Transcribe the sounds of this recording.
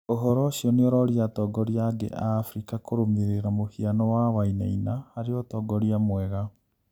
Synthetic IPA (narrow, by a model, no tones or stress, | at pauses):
oɦɔɾɔɕiɔneɔɾɔɾiatɔɡɔɾiaɡḛʔafɾikakoɾomeɾeɾamohianɔwawaina̰inahaɾeɔtɔɡɔɾiamwɛɣa